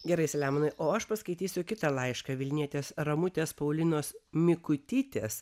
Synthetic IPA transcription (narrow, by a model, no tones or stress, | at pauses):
ɡʲɛɾɐɪsʲɛlʲæːmɐnɐɪʔoːɐʃpɐskɐɪt̪ʲiːsʲʊkʲɪt̪ɐlˠɐɪʃkɐʋʲɪlʲnʲiɛt̪ʲeːsɾɐmʊt̪ʲeːspɐʊlʲɪnoːsmʲɪkʊt̪ʲɪt̪ʲeːs